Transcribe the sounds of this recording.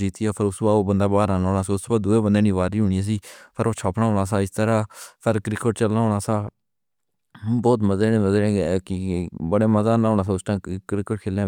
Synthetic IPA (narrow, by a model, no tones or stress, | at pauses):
d͡ʒiːt̪iaːpʰəɾʊsbaːoːbənd̪aːbaːɾaːnaːɽaːsiːʊsbaːd̪ʊeːbənd̪eːnĩːʋaːɾiːɦʊːɳijãːs̬iːpʰəɾoːt͡ʃʰɔːpnaːɦoːɽaːsaːɪst̪əɾãːpʰɪɾkɾɪkəʈt͡ʃəlːaːɦoːɽaːsaː | bɔːt̪məzeːnẽːməzẽːkɪbəɽeːməzaːnaːɦoːnaːs̬ːʊsʈãːkɾɪkəʈ̚kʰeːlãː